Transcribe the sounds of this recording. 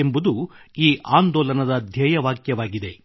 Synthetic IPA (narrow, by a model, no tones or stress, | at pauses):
embud̪uiːʔaːnd̪ɔːlɐnɐd̪ɐd̪ʱjɛːjɐʋaːkjɐʋaːɡid̪e̞